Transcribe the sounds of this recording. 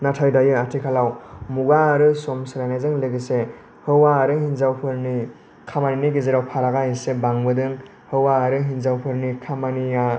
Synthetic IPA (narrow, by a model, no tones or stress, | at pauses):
natʰajdajɯatʰikʰalawmuɡaːɾɯsɔmsɯɾajnazɯŋlɯɡise | hɯwaːɾɯhinzawpʰɯɾni | kʰamaniniɡizeɾawpʰaɾaɡajisebaŋbɯdɯŋ | hɯwaɾɯɦinzawpʰɯɾnikʰamanija